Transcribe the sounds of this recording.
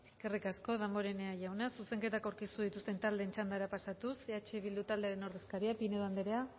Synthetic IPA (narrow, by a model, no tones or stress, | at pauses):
kerikasko̞ðamo̞ɾe̞neaʝawnasuse̞ŋke̞t̪akawɾkist̪uð̞it̪ust̪e̞nt̪ald̪e̞ːnt͡ʃand̪aeɾapasat̪useat͡ʃe̞βild̪ut̪ald̪e̞aɾeno̞ɾðe̞skaɾiapineðoand̪eɾea